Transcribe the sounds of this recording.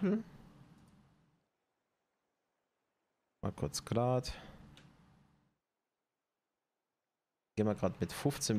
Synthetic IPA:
n̩ | a̰lkʰʊɐt͡sɡ̥ʁaːt | ɡ̥eːmaɐɡʁaːtmɪtfʊft͡sen

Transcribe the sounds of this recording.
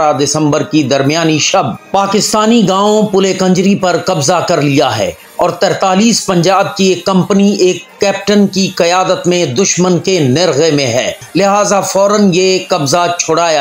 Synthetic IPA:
ɾad̪ɪsə̃mbəɾkid̪ɐɾmijaːniʃɐbpaːkɪst̪aːniɡãːõpʊlekɐ̃ɲd͡ʒɾipɐɾkɐbzakɐɾlijaɦɛ̰ː | ɔːɾt̪ɛɾt̪aːliːspɐ̃ɲd͡ʒaːb̚kieːkːɐ̃mpənieːkːɛːp̚ʈənkikɐjaːd̪ət̪mẽd̪ʊʃmənkenɪɾɣemẽɦɛ̰ː | lɪɦaːzafɔːɾənjekɐbzat͡ʃʰʊɽaːja

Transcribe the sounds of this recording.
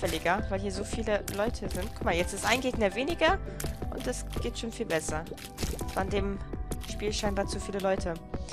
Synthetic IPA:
fɛlɪɡɐvaɪlhiːɐzoːfiːləlɔʏtʰəzɪnt̚kʰʊ̥kmaːjɛt͡stɪstʔaɪnɡeːɡnɐveːnɪɡɐʔʊ̰ntd̥asɡ̥eːtʃoːnfiːlbɛsɐ̥ | a̰ːndeːmʃpiːlʃaɪnbaːɐt͡sufiːləlɔʏtʰə

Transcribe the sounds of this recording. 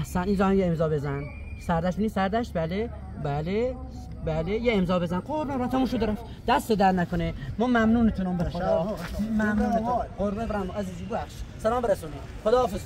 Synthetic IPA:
sæninzɔːhæmjeemzɒːbezæn | sæɾd̪æʃminiːsæɾd̪æʃt̪bæːle | bæle | bæːlejeemzɒːbezænqoɾmeɾæt̪ʰæmuːʃod̪eɾæft̪ | d̪æst̪ed̪æɾnækʰonemɒːmæmnuːnet̪ʰunumbeɾʃʃmæmnunːqoɾmebɾæmɔʔæziːziːɡuæxʃsæɾɒːmbeɾesuːniː | xod̪ɒːfez

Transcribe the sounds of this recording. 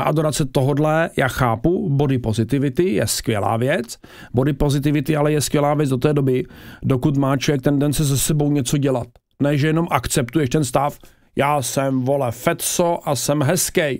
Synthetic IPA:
aʔadoɾat͡sɛt̪oɦodlɛjaːxaːpubo̞dɪpo̞zɪt̪ɪvɪt̪ɪjɛ̰skvjɛla̰ːvjɛt͡s | bo̞dɪpo̞zɪt̪ɪvɪt̪ɪʔalɛjɛskvʲjɛlaːvjɛd͡zdo̞t̪ɛːdo̞bɪdo̞kut̪̬maːt͡ʃlovjɛkt̪ɛndɛnt͡sɛzasɛbo̞wɲɛt͡so̞ɟɛlat̪̚ | nɛʒɛjɛno̞mʔakt͡sɛpt̪ujɛʃt̪ɛnst̪af | jaːsɛmvo̞lɛfɛt̪soʔasɛmɦɛskɛj

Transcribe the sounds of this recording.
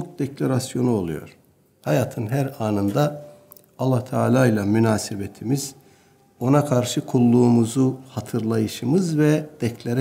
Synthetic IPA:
uk̚d̪̥ɛclʲeɾasjo̞nuolˠujo̞̰ɾ̥ | hajaːt̪ʰɯnɦæɾaːnɯnd̪aː | lˠːaht̪ʰaːlʲˠaːjlˠamynaːsebe̞t̪ʰimiz̥ | o̞nakʰaɾʃɯkʰulˠːuːmuzuhat̪ʰɯɾlˠajɯʃɯmɯzvɛd̪̥ɛclʲeɾɛ

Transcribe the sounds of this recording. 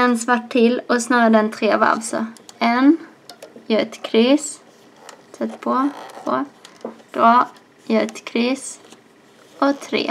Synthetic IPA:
ɛnsvaʈʰːɪlːɔsnɑːɾad̪ɛnt̪ʰɾeːva̰vsə̰ɛn | jœːɾɛt̪kʰɾis | t̪ʰɛt̪pʰɔt̪ʰvo̰ːt̪ʰvoː | jœːɾt̪kʰɾis | ʔɔt̪ʰɾḛː

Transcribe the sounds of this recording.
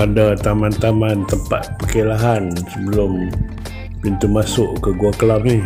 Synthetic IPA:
adat̪amant̪amant̪əmpa̰t̪̚pəkelaɦansəbəlʊm | pint̪umasʊʔkəɡuakəlap̚ni

